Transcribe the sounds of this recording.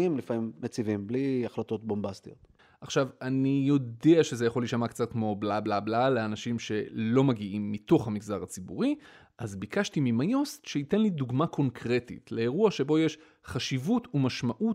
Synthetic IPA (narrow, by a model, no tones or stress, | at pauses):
imlifamimːet͡sivimbliaχlato̞t̪̚bombast̪ijo̞t̪ | ʔaχʃavanijo̞deaʃe̞zejaχo̞liʃamakt͡sat̪̚kmo̞blablablaleanaʃimʃe̞lo̞maɡiʔimːit̪o̞χhamiɡzaʁat͡sibṵʁi | ʔazbikaʃtimimajo̞st̪ʃeite̞nliduɡmakʰo̞nkʰʁe̞tḭtle̞eʁuaʃe̞bo̞je̞ʃ | χaʃivutumaʃmaʔut